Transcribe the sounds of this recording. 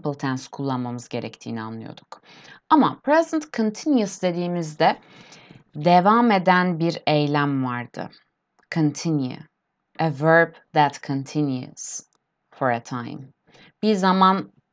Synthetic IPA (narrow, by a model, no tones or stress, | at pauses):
plˠt̪ʰænskʰulˠːanmamɯzɟe̞ɾɛct̪ʰiːnia̰nlˠɯjo̞̰d̪uk | amapʰɾɛzɛnt̪kʰənt̪ʰinjusd̪e̞d̪iːmizd̪ɛ | d̪evame̞d̪ænbiɾejlʲæmvaɾd̪̥ɯ̰ | kʰənt̪ʰinjʉ̰ | ʔəvɜ˞b | ðæt̪kʰənt̪ʰinjṵs | foɾet̪ʰãjm | b̥iɾzaman